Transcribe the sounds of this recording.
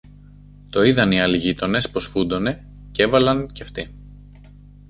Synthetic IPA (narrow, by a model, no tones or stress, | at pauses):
t̪o̞iðɐniɐliʝit̪o̞ne̞spo̞sfud̪o̞ne̞ | ce̞vɐlɐnceft̪i